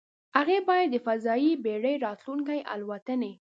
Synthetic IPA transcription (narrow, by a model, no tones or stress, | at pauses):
haɣebɑjad̪ːəfazɑjibeɽəjɾɑt̪luŋkajʔa̰lwat̪əne